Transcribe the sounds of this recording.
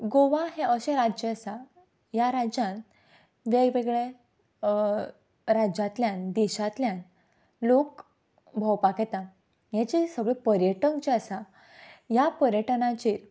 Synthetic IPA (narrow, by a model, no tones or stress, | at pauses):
ɡoʋaɦeəɕeɾad͡ʑeəsa | jaɾad͡ʑãn | ʋeɡʋeɡɭe | ɾad͡ʑãt̪ljãnd̪iɕat̪ljãn | lok | bʱəwpaket̪ã | jãt͡ɕisəɡɭipəɾjəʈəŋkt͡ɕeəsa | japəɾjəʈnãt͡ɕiːɾ